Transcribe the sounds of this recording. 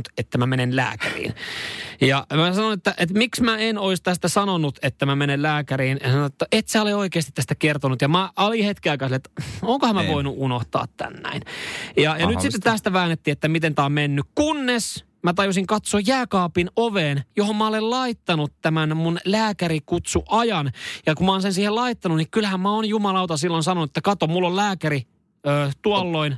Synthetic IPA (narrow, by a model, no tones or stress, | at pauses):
t̪et̪ːæmæmenenlæ̰ːkæ̰rḭːnjɑmæsɑnonet̪ːæʔet̪miksmæenoist̪æst̪æsɑnonut̪et̪ːæmæmenellæːkæɾiːnjɑsɑnoet̪ːæʔet̪sæoleoikeːst̪it̪æst̪ækert̪onut̪jɑmæʔɑlihet̪kiɑikɑselːet̪oŋkohæmæʋoinuunoht̪ɑ̰ːt̪t̪æ̰nːæ̰injɑjɑnyt̪sit̪ːett̪æst̪æʋæːnːet̪ːiːet̪ːæmit̪ent̪æommenːykkunːes | mæt̪ɑjusiŋkɑt̪soːjjæːkɑːpinoʋeːnjohommæolellɑit̪ːɑnut̪t̪æmænmunlæːkæɾikut̪suʔɑjɑnjɑkummɑoːnsensiːhelɑit̪ːɑnunnikylhæmmæonjumɑlɑut̪ɑsilːonsɑnonuet̪ːækɑt̪omulːollæːkæɾi | øːt̪uɑlːoin